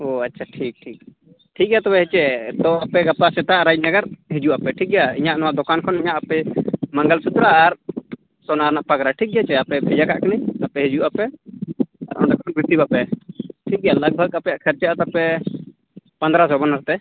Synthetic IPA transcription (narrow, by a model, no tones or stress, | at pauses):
oatːt͡ʃʰaʈʰik̚ʈʰik̚ | ʈʰik̚ɡɛjat̪ɔbɛɦɛt͡ʃɛt̪ɔapɛɡapasɛt̪aʔɾajd͡ʒnəɡəɾɦid͡ʒuʔapɛʈʰik̚ɡɛjaḭɲaʔnɔwaʔd̪ɔkankʰɔniɲaʔapɛməŋɡəlsut̪ɾaːɾ | sɔnaɾnaʔpaɡɾaʈʰik̚ˀɡɛaɦɛt͡ʃɛapɛbʱɛd͡ʒakaʔkaniapɛɦɛd͡ʒuʔapɛ | a̰ɾʔɔ̰nd̪akʰɔɔnbʱɾit̪ibapɛʈʰik̚ɡɛjaləɡ̚bʱəɡapɛjaʔkʰəɾt͡ʃaʔat̪apɛ | pand̪ɾasɔbanaɾt̪ɛ